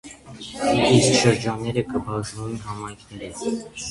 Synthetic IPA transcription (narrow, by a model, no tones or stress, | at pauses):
iskʃəɾd͡ʒɑnːɛɾəkəbɑʒnumɛnɦɑmɑjkʰnɛɾit͡s